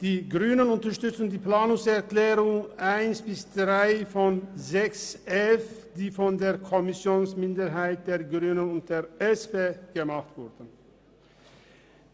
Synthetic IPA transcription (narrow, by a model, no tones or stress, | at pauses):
d̥iːɡʁyːnənʊntɐʁʃtʏt͡sn̩diːplaːnʊŋsɛɐklɛːʁʊŋʔaɪnsb̥ɪsd̥ʁaɪfɔnzɛksʔɛlfd̥iːfɔndeːɐkʰɔmɪsjoːnsmɪndəɦaɪt̚d̥eːɐɡʁyːnənʊnt̚d̥eːɐɛspeːɡ̥əmaχtv̥ʊɐd̥ən̩